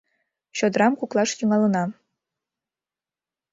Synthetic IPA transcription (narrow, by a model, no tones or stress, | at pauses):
ɕŏd̪ɾɑmkuklˠɑʂt̪yŋɑlˠɤ̆nɑ